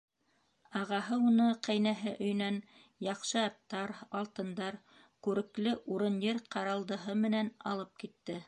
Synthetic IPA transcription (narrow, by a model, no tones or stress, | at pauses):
ɑʁɑɦɤunɤqæjnæɦɘʔɵ̆j̆næn | jɑqʃɤɑt̪ːɑɾɑlˠt̪ɤ̆nd̪ɑɾ | kʉɾɘ̆klɘʔuɾɤnjɤɾqɑɾɑlˠd̪ɤ̆ɦɤmɘ̆nænɑ̰lˠɤp̚kit̪ːɘ